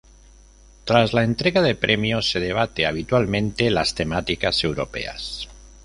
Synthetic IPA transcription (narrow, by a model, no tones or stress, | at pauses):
t̪ɾazlaent̪ɾe̞ɣaðe̞pɾʔemjose̞ð̞eβ̞at̪eaβ̞it̪walmẽnt̪elast̪e̞mat̪ikase̞wɾo̰pe̞̰a̰s